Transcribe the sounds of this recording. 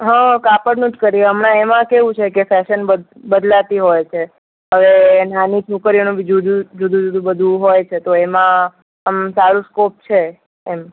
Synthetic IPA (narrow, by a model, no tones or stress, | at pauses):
ɦə̃kapəɽnuʈkəɾieəmnãemãkeʋũt͡ʃʰekefɛʃənbə | bəd̪lat̪iɦojt͡ʃʰe | ɦəʋenanit͡ʃʰukəɾionũbid͡ʒʱud͡ʒud͡ʒud̪ʱũd͡ʒud̪ʱũbəd̪ʱũɦojt͡ʃʰet̪oemã | əmsaɾũskop̚t͡ʃʰeː | m